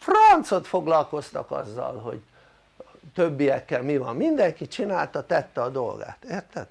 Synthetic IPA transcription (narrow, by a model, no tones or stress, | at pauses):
frɒnt̪so̞t̪fo̞ɡlɒlko̞st̪ɒkɒ̰zːɒ̰lɦo̞̰ɟ | t̪øbːijɛkːɛlmivɒmmind̪ɛŋkit͡ʃinaːlt̪ɒt̪ɛt̪ːɛɒd̪o̞̰lɡa̰ːt̪eːrt̪ɛd̪̥